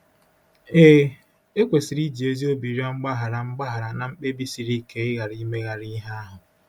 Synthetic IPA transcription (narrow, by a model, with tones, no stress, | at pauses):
eː˦ | e˦kʷe˨si˨ɾi˦d͡ʒi˨e˦zi˦o˦bi˨ɾi˦a˦ŋ͡m̩˦ɡ͡ba˦ɦa˨ɾa˨ŋ͡m̩˦ɡ͡ba˦ɦa˨ɾa˨na˨ŋ͡m̩˦k͡pe˦bi˦si˨ɾi˦ke˨ɪ˦ɣa˨ɾi˦me˦ɣa˨ɾi˦ɦa˦a˦ɦʊ˨